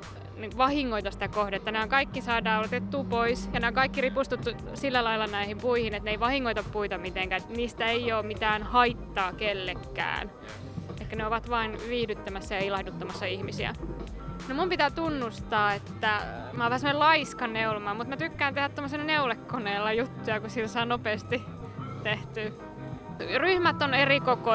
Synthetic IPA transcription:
niŋkʋɑhiŋːoit̪ɑsi̥t̪ækohdeet̪ːænehæŋkɑikːisɑːdɑːot̪et̪ːuːpoisjɑneoŋkɑikːiripust̪ut̪ːu | silːælɑilːɑnæihimpuihinet̪neiʋɑhiŋːoit̪ɑppuit̪ɑmit̪eŋkæet̪niːst̪æeioːmit̪æːnhɑit̪ːɑːkelːekːæ̰ːn | eikːæneoʋɑt̪ʋɑːnʋiːhdyt̪ːæmæsːæjɑilɑhdut̪ːɑmɑsːɑihmisiæ̰ | nomumpit̪æːt̪unːust̪ɑːet̪ːæ | mɑoʋæhæsemːonelɑiskɑnneulomɑːmut̪mæt̪ykːæːnt̪ehæt̪t̪omːosinɑneulekːoneːlːɑjut̪ːujɑkusit̪sɑːnopeːst̪i | t̪eht̪yː | ryhmæt̪ːˑonerikoko

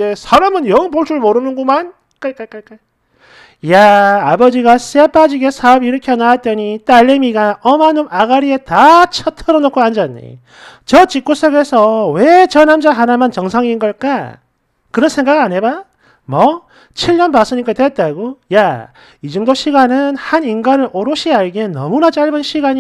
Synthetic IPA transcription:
esʰaɾamɯnjʌŋpoɭs͈ʰuɭmoɾɯnɯnɡuman | k͈ajk͈ak͈ajk͈aj | jaːbʌd͡ʑiɡasep͈ad͡ʑiɡesʰaʌbiɾʌkʰjʌnat͈ʌɲit͈aʎːemiɡaʔʌmanɯmaɡaɾietat͡ɕʰʌtʰʌɾʌnokʰoand͡ʑanːḛ | t͡ɕʌt͡ɕik͈us͈ʰʌɡesʰʌwet͡ɕʌnamd͡ʑaɦanamʌnt͡ɕʌŋsʰaŋinɡʌɭk͈a | kɯɾʌnsʰe̞ŋɡaɡɯaɲeba | mʌ | t͡ɕʰiɭːʌnpas͈ʰɯɲik͈atwet̚t͈aɡoja | id͡ʑʌŋdoɕʰiɡanɯnhaninɡanɯɾoɾɯɕʰiaɭɡenʌ̰munat͡ɕaɭbɯnɕʰiɡaɲi

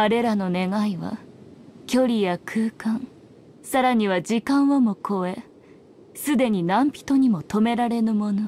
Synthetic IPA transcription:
aɾe̞ɾano̞ne̞ɡaiβa̰ | kʲo̞ɾʲijakʰɯ̟ːkãŋ | saɾaɲ̟iβad͡ʑikãɰ̃βamo̞kʰo̞e | sɨd̪e̞ɲ̟inãmpʲi̥t̪o̞ɲ̟imo̞t̪o̞me̞ɾaɾe̞nɯ̟mo̞no

